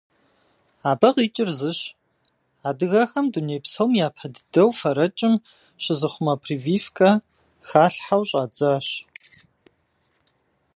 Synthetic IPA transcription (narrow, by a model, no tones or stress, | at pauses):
aːbɐqiːt͡ʃʼɪrzɨɕ | aːdɨɣɐxɐmduneːpsɐwmjaːpʰɐddɐwfɐɾɐt͡ʃʼɪm | ɕɪzɨχʷʊmɐpʰriːviːfkʰʼɐ | xaːɬħawɕʼaːd͡zaːɕ